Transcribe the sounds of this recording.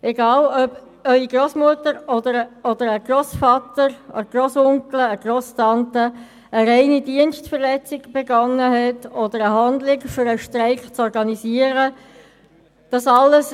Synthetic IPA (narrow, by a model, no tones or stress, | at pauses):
ʔɛɡɑːlœb | œʏiɡɾosmuətəɾɔd̪əɾɔd̥̪əɾəɡ̥ɾɔsfɑtəɾəɡ̥rosʊŋkləəɡ̥rostɑntə | əɾɛɪnidiənstfəɾlɛt͡sɪɡb̥eɡɑŋːəɦɛtɔd̪əɾəɦɑndlɪkfʏɾəʃtɾɛɪkt͡sɔɾɡɑnisiəɾə | d̥ɑsɑlːəs